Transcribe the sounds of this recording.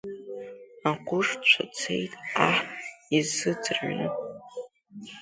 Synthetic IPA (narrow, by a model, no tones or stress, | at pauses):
aqʷʼʊʂt͡ʃʷʰat͡sʰejtʼaħtʼizːɨd͡zɨrʕnɨ